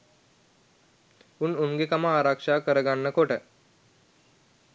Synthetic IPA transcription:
ununɡekamaːɾakʂakəɾəɡaɳːəkoʈə

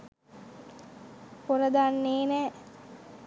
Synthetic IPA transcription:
poɾəd̪anːeːnɛː

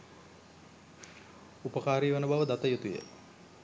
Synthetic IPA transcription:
upəkaːɾiːʋanəbaʋəd̪at̪əjut̪ujə̰

